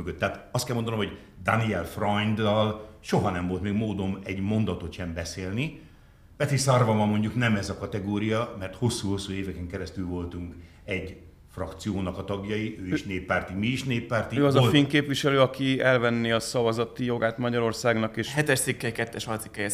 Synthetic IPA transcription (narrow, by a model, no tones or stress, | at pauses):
møɡøt̪ːɛat̪ɒst̪kɛlmo̞nd̪ɒnomho̞ɟ | d̪aniɛlfrɒjnd̪ɒlʃoɦɒnɛmvo̞lt̪meːɡmoːd̪omɛɟmo̞nd̪ɒt̪o̞t̪ʃɛmbɛseːlni | pɛt̪isɒrvɒmɒmːo̞ɲɟuknɛmɛzɒkɒt̪ɛɡoːɾijɒmɛrt̪ho̞sːuːho̞sːuːeːvɛkɛŋkɛɾɛst̪ylvo̞lt̪uŋk | ɛɟ | frɒkt̪sijoːnɒkɒt̪ɒɡjɒjiʔøːiʃneːpːaːrt̪imiːʃneːpːaːrt̪iøɒzɒfiŋkeːpʋiʃɛløːɒkiɛlvɛnːiːɒsɒvɒzɒt̪ijo̞ɡaːt̪mɒɟɒɾo̞rsaːɡnɒkeːʃhɛt̪ɛʃt̪sikːɛjkɛt̪ːɛʃɒlt̪si̥kːɛjɛ